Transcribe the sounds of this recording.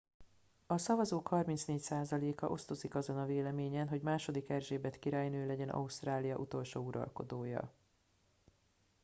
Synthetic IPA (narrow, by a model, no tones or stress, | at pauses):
ɒsɒvɒzoːkhɒrminsneːcsaːzɒleːkɒ̰ʔo̞st̪o̞zikɒzo̞nɒveːlɛmeːɲɛnɦo̞ɟmaːʃo̞d̪ikɛrʒeːbɛt̪kiɾaːjnøːlɛɟɛnʔɒ̰ust̪raːlijɒʔut̪o̞lʃoːuɾɒ̰lko̞̰d̪oːjɒ̰